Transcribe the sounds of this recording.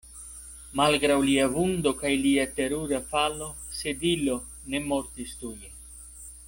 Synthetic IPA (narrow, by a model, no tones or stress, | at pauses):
malɡɾawliavund̪o̞kajliat̪e̞ɾuɾafalo̞ | sedilo | ne̞mo̞ɾt̪ist̪uje